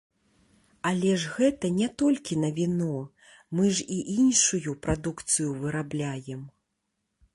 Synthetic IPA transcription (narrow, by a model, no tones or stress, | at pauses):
alʲɛʐɣɛt̪ɐnʲɛt̪ɔlʲkʲinɐvʲinɔ | mɨʐiʔinʂujupɾad̪ukt̪sɨjuvɨɾablʲajɛm